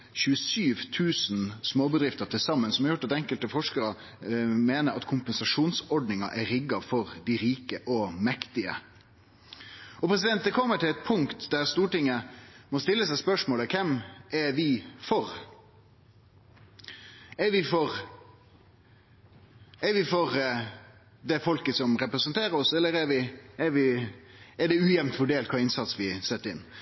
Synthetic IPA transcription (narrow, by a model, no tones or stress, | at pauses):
çʉəsyːʋt̪ʰʉːsn̩smoːbəd̪ɾɪft̪əɾʈ̪ʰɪlsɑmːənsɔmɑɾjʊʈːɑt̪ɛŋkəlt̪əfɔʂkəɾɑ | meːnəɾɑt̪kʰʊmpənsɑʂuːnsɔɖnɪŋɑʔæɾɪɡɑfɔɾd̪ɪɾiːkəʔɔmɛkt̪ɪə̰ | ɔpʰɾɛs̬ɪd̪ɛnt̪d̪ɛkʰɔmːəʈʰɪlɛt̪̚pʰʊŋkt̪d̪æɾst̪uːʈɪŋːəmɔst̪ɪlːəsæɪspœʂmoːləkʰɛmɛɾʋɪfɔɾ | ɛɾʋɪfɔɾ | ɛɾʋɪfɔɾ | d̪ɛfɔlkəsɔmɾɛpɾɛsənt̪ʰeːɾəɾɔsɛlːəɾɛɾʋɪɛɾʋɪ | ɛɖɛʉːjɛʋnt̪fɔɖeːlt̪kʰɑːɪnsɑt̪sʋɪsɛt̪ːəɾɪnː